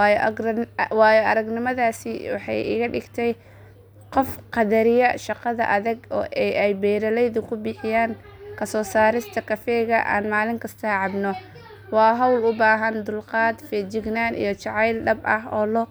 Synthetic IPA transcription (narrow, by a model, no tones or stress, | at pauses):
j | wɑːjɔʔɐɾɐɡnɪmɐðaːsɪwɑ̰ħɑ̰jɪ̰ɣɐɖɪ̰ɡt̪ʰɛj | qɔfqɑdɐɾɪjɐʃɑqɑðɐ̰ʔɐðɐɡɔːʔɛjʔɛjbɛːɾɐlɛjðʊkʰʊbɪħɪjaːŋ | kʰɐsɔːsaːɾɪst̪ʰɐkʰɐfɛːɣɐʔa̰ːnmaːlɪŋkʰɐst̪ʰɐʕɑbnɔ | wɑːɦɔwlʊbaːɦɐnd̪ʊlqɑːd̪fɛːd͡ʒɪɡnaːnʔḭjɔt͡ʃɑʕɑjlɖɐbɐhɔːlɔ